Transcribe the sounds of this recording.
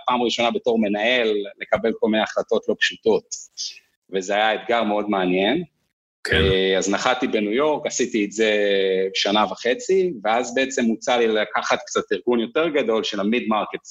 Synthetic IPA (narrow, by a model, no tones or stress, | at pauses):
paːmʁiʃo̞nabe̞to̞ʁme̞nae̞lːe̞kabe̞lko̞lminejaχlato̞tlo̞pʃuto̞t | vezeajaet̪ɡaʁmeo̞dmeanje̞n | kʰeaznaχatibenujo̞ʁkasitiːtzebʃanavaχet͡siveazbeet͡semːut͡salilakaχat̪kt͡sat̪iʁɡunjo̞te̞ʁɡado̞lʃelamidmaʁket